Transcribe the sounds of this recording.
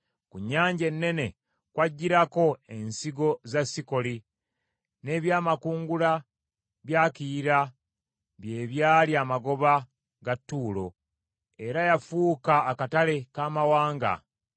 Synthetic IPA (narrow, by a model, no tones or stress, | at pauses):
kuɲːaːɲɟe̞nːe̞ne̞ | kwaɟːiɾako̞e̞nsiɡo̞zasːiko̞li | ne̞ːβjaːmakuːŋɡula | βjaːkiɾa | βje̞ːβjaːliaːmaɡo̞βa | ɡatːuːlo̞ | e̞ɾajafuːkaːkatale̞kaːmawaːŋɡa̰